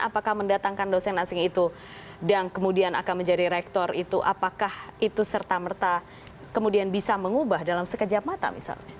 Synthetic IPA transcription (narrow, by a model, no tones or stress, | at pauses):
ʔa̰pakahməndat̪aŋkandosɛnasɪŋit̪u | daŋkəmudiana̰kanməɲd͡ʒadiɾɛk̚t̪ɔrit̪uʔapakahit̪usərt̪amərt̪a | kəmudianbisaməŋubahdalamsəkəd͡ʒap̚mat̪a̰mḭsa̰lɲa